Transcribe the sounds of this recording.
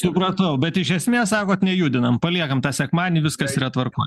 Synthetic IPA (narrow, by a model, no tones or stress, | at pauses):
sʊpɾɐt̪ɐʊbʲɛt̪ɪʃʲɛsʲmʲeɛssɑːkoːt̪nʲɛjuːd̪ʲɪnɐmpɐlʲiɛkɐmt̪ɑːsʲɛkmɑːnʲɪʋʲɪskɐsiːɾɐt̪ʋɐrko̰ː